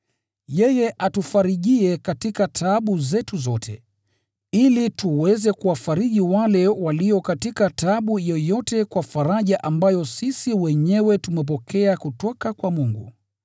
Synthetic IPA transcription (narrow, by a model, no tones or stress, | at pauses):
jɛjɛʔatufaɾiʄiɛkatikatʰaːɓuzɛtuzɔtʰɛ | ilituwɛzɛkuwafaɾiʄiwalɛwaliɔkatikataɓujɔjɔtɛkwafaɾaʄaʔambajɔsisiwɛɲɛwɛtumɛp̬ɔkʰɛakutɔkakwamuŋɡṵ